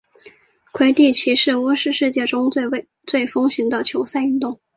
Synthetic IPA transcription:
kʰwe˧˥ɪt̪i˥˩t͡ɕʰi˧˥ʂɻ̩˥˩u˥ʂɻ̩˥˧ʂɻ̩˥˧t͡ɕjɛ˥˩ʈ͡ʂʊ˥ŋ˥˧ | t͡swe˥˩ɪfɤ˥ŋɕi˧˥ŋd̪ə˧t͡ɕʰjo˧˥ʊsa˥˧ɪy˥nt̪ʊ˥˩ŋ

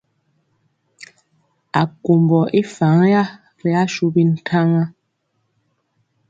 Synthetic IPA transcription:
a˨ku˨mbɔ˨ʔi˦fa˨˦ŋ˦ja˦ | ɾi˨a˦ʃu˦bi˦n̩˨tʰa˦ŋa˦

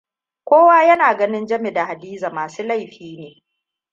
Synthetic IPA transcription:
kʷoː˦waː˦jɐ˦naː˨ɡɐ˦nɪ˦nd͡ʒɐ˦me˨da˨ha˨diː˦za˨maː˨suː˦la˦˨jɸiː˦neː˨

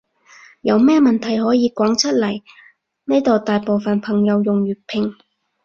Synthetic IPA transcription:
jɐ˨˧wmɛː˥mɐ˨nt̪ʰɐ˨˩jɦɔː˨˥jiː˨˧kʷɔː˨˥ŋt͡sʰɐ˥t̚lɐ˨˩j | nɛː˥jt̪oː˨˧t̪aː˨jpo˨wfɐ˨˩npʰɐ˨˩ŋjɐ˨˧wjʊ˨ŋɥyː˨t̚pʰɪ˨˩ŋ

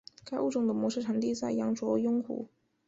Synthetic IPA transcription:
ka˥ɪʔu˥˧ʈ͡ʂʊ˥˩ŋd̪ə˩mwɔ˧˥ʂɻ̩˥˩ʈ͡ʂʰa˧˥ŋt̪i˥˧t͡sa˥˩ɪjɑ˥ŋʈ͡ʂwɔ˧˥jʊ˥ŋxṵ˨˧˥

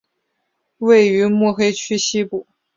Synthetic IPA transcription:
we˥˩ɪy˧˥mwɔ˥˩xe˥ɪt͡ɕʰy˥ɕi˥pu˨˩˦

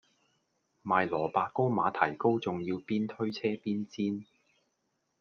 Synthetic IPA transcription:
maː˨jlɔː˨˩paː˧t̚ko˥wmaː˨˧t̪ʰɐ˨˩jko˥wt͡sʊ˨ŋjiː˧wpiː˥nt̪ʰɵ˥ɥt͡sʰɛː˥piː˥nt͡siː˥n

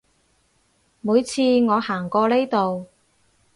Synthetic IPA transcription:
muː˨˧jt͡sʰiː˧ŋɔː˨˧haː˨˩ŋkɔː˧le˥jt̪o˨w

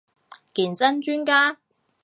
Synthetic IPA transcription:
kiː˨˩nt͡sɐ˥nt͡ʃyː˥nkaː˥

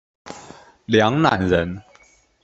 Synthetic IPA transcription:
ljɑ˧˦ŋna˨˩˦nɻə˨˦n

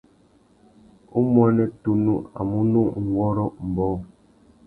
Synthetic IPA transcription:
u˦mwɛ˦nɛ˦tu˦nu˦a̰˨mu˦nu˦ʔŋ̩˨wɔ˦ɾɔ˦m̩˨bɔ˦˨

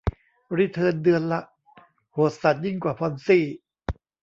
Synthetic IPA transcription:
ɾi˦˥˩t̪ʰɤː˧ndɯ˧ənla˦˥ʔ | ho˨˩˦t̪̚sa˨˩t̪̚ji˥˩ŋkwaː˨˩pʰɔː˧nsiː˥˩

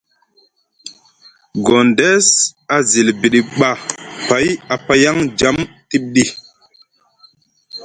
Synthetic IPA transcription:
ɡo˨ndɛ˦sa˨zi˨lbi˨ɗi˨ɓa˨pa˨˦ja˨pa˦ja˦ŋd͡ʒa˨˦m | ti˦ɓ̚ɗi˦

